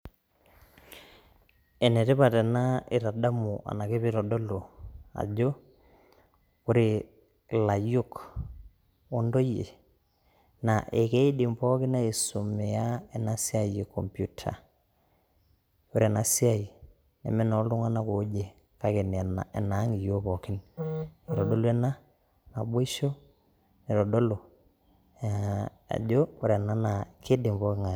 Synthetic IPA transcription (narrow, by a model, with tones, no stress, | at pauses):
ɛ˨ne˨te˦pa˨tɛ˨na˦i˨ɾa˨da˦mu˨ʔa̰˨na˨ke˦pi˦ɾɔ˨dɔ˦lo˨a̰˨d͡ʒo˦ | kʊ˦ɾi˨ | la˨jʊ˦k | o˦ndo˦jḛ˨ | na˨ʔe˨ke˦i˦di˨mpɔ˦kɪ˦na˦i˨su˨me˨a˦ɛ˨na˦si˦a˨je˨kɔ̰˨mpju˦tʰa̰˨ | o˦ɾe˨na˨si˦a˨ | nḛ˨me˦nɔ˨˦lu˦ŋa˦na˦ko˨˦d͡ʒe˨ | ka˦ke˨n˨na˨ɛ̰˨na˨˦ŋi˨jo˦pɔ˨kɪ˦ne˨ɾo˨do˦lu˦ɛ˦na˦ | na˨bo˦i˦ʃo˦ | ne˨ɾo˨do˦lo˨ | a̰˨d͡ʒo˦o˦ɾe˨na˦na˨ke˦di˨mpɔ˦kɪ˦ŋa˨